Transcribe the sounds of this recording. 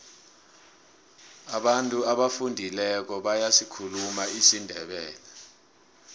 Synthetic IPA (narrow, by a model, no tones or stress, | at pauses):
aɓantʼuaɓafundʱilɛk̬ɔɓajasikʰulumaisindʱɛɓɛ̰ːlɛ